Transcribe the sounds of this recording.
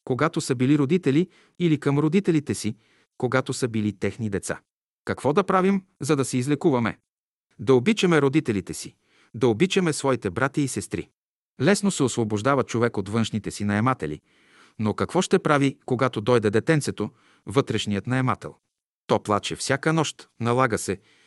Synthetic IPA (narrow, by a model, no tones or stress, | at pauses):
koɡat̪osɐbiliɾod̪it̪ɛli | ilikɐmɾod̪it̪ɛlit̪ɛsi | koɡat̪osəbilit̪ɛxnid̪ɛt̪sa̰ | kɐkvɔd̪ɐpɾavimzɐd̪ɐsɛizlɛkuvɐmɛ̰ | d̪ɐobit͡ʃɐmɛɾod̪it̪ɛlit̪ɛsi | d̪ɐobit͡ʃɐmɛsvɔit̪ɛbɾat̪iːsɛst̪ɾḭ | lɛsnosɛosvoboʒd̪avɐt͡ʃovɛkot̪vɤnʃnit̪ɛsinɐɛmat̪ɛlḭ | nokɐkvɔʃt̪ɛpɾavikoɡat̪od̪ɔjd̪ɛd̪ɛt̪ɛnsɛt̪o | vɤt̪ɾɛʃnijət̪nɐɛmat̪ɛ̰lˠ | t̪ɔplˠat͡ʃɛfsʲjakənɔʃt̪nɐlˠaɡəsɛ